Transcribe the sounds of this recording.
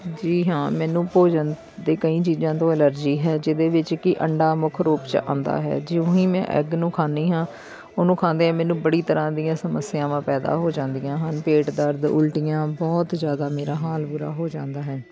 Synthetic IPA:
d͡ʒiːɦãːmɛːnũːpoːd͡ʒən | d̪eːkəĩːt͡ʃiːzãːt̪õːɛləɾd͡ʒiːɦɛːd͡ʒɪd̪eːʋɪt͡ʃkɪʔə̰ɳɖaːmʊkʰɾoːpt͡ʃã̰ːnd̪a̰ːɦɛ̰ːd͡ʒɪõːĩːmɛ̰̃ːʔɛ̰ɡnũːkʰaːniːɦãː | oːnũːkʰãːnd̪eːɛ̃ːmɛ̃ːnũːbəɽiːt̪əɾãːd̪ijãːsəməsːɪjãːʋãːpɛːd̪a̰ːɦoːd͡ʒãːnd̪ijãːɦənpeːʈd̪əɾd̪ʊ̰lʈijãːbɔːt̪zjaːd̪aːmeːɾaːɦaːlbʊɾa̰ːɦoːd͡ʒãːnd̪aːɦɛː

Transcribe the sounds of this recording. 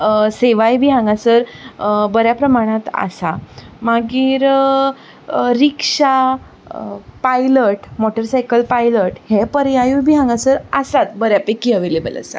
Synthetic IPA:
seʋajbʱiɦãŋɡasəɾbəɾjapɾəmaɽ̃ãt̪a̰samaɡiːɾ | ɾikʂa | pajləʈmɔʈəɾsajkəlpajləʈhepəɾjajubʱiɦãŋɡasəɾasat̪bəɾjapekiəʋelebə̰lə̰sa̰

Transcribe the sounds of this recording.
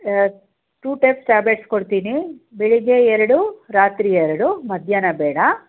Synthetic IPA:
ʈuːʈepsʈaːbleʈskoɽt̪iːnibiɭiɡeɛɾɐɽuɾaːt̪ɾiːɛɾɐɽumɐd̪ʱjaːnɐbɛːɽɐ

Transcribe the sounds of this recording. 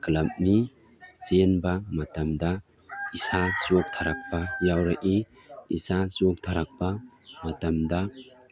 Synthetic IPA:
kɐlɐm̚ni | zenbɐmɐtɐmd̪ɐ | isat͡ʃok̚t̪ʰaɾak̚bɐjawɾɐʔi | isasok̚t̪ʰaɾak̚bɐmɐtɐmdɐ

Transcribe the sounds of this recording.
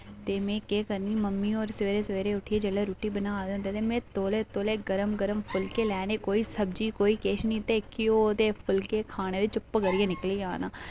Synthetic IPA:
t̪eːmẽːkeːkəɾniːməmːiːɔːɾsʋeːɾeːsəʋeːɾeːʊʈʰieːd͡ʒəleːɾuːʈiːbənaːd̪eːɦnd̪eːt̪eːmẽːt̪oːleːt̪oːleːɡəɾəmɡəɾəmpʰʊlkeːlɛːneːkoːiːsəb̚d͡ʒiːkoːiːkeːʃniːt̪eːkɪoːt̪eːpʰʊlkeːkʰaːɽ̃eːd̪eːt͡ʃʊpːɡəɾiːẽːnɪkliːaːna̰ː

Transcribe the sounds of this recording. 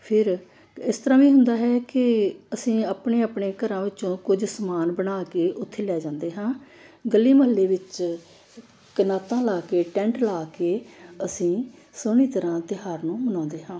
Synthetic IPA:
pʰɪɾ | ɪst̪əɾãːʋiːɦʊ̃nd̪aːɦɛːkɪəsĩːaːpɳeːaːpɳeːkəɾãːʋɪt͡ʃõːkʊd͡ʒsəmaːnbəɳaːkeːʔʊt̪ʰːeːlɛːd͡ʒãːnd̪eːɦãː | ɡəlːiːməɦəlːeːʋɪt͡ʃ | kənaːt̪ãːlaːkeːʈɛ̃ːɳʈlaːkeːəsĩːsoɳiːt̪əɾãːt̪ɪɦaːɾnũːmənãːnd̪eːɦãː

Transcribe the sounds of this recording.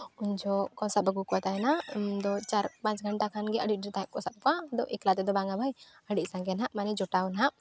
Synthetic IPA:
ʊnd͡ʒɔkɔsabəɡukɔt̪aɛnad̪ɔt͡ʃaɾpãt͡ʃɡʱəɳʈakʰanɡɛəɖiɖiɾt̪aɛk̚kːɔsab̚kɔãd̪ɔʔeklat̪ɛd̪ɔbaŋɡabʱaj | əɽit̪sãɡɛnaʔmanɛd͡ʒɔʈaɔnɦaʔ

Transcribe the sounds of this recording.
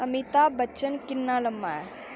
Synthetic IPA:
ɐmit̪abɐt͡ʃənkɪnːaːlɐmːaɛ

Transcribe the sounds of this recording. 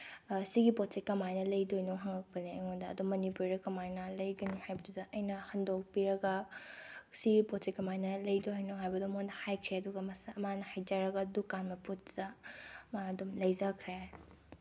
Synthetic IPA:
siɡipɔtsekːɐmajnɐlɐjdojnoɦɐŋɐk̚pɐniɐŋondɐ̰ːdomːɐnipuɾɾɐkɐmajnɐlɐjɡɐnohajbɐdudɐʔɐjnɐhɐndok̚piɾɐɡɐ | siɡipot̚sekːɐmajnɐlɐjdoɦajnoɦajbɐdomondɐhajkʰɾeɐduɡɐmɐsɐmanɐhajd͡ʒaɾɐɡɐdukanmɐput̚zamaɐdomlɐjzakʰɾe

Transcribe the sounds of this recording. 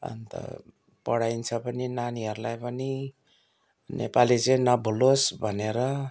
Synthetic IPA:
ʌ̰nt̪ʌ̰ | pʌɽajnt͡sʰʌpʌninaniɦʌɾulajpʌni | nʔḛpalit͡sʌĩnʌbʱulosbʱʌneɾʌ

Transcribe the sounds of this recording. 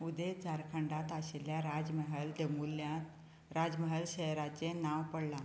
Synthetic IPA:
ud̪et͡saɾkʰəɳɖat̪aɕeljaɾad͡zməɦəld̪emuljat̪ | ɾad͡zməɦəlɕəjɾat͡senawpəɽla

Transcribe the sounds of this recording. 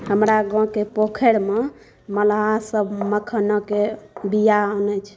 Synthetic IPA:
həmɾaɡɔ̃kepokʰeɽme | məlɦasəbʱməkʰənɔkebijaɔnət͡ʃʰ

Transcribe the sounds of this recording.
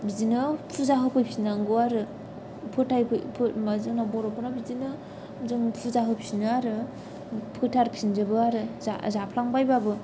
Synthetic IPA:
bizinɯtʰuzaɦɯpʰɯjpʰisnaŋɡɯaɾɯ | pʰɯtʰajpɯpʰɯmazɯŋnabɔɾɔpɯnabizinɯ | zɯŋpʰuzaɦɯpʰisinɯaɾɯ | pʰɯtʰaɾkʰind͡ʒɯbɯaɾɯa̰zapʰlaŋbajbabɯ

